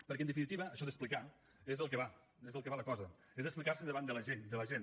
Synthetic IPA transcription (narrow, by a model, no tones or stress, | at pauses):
pəɾkɛnd̪əfinit̪iβəːʃɔðəsplika | ezðəlˠkəβa | ezðəlˠkəβaləkɔzə | ezðəsplikaɾrsəðəβand̪ələʒend̪ələʒen